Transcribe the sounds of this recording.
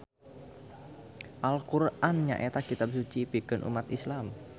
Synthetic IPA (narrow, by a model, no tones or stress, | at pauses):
ʔalkurʔanɲa̰ʔet̪akit̪ab̚sut͡ʃibiɡ̥ə̤nʔṵmat̪islam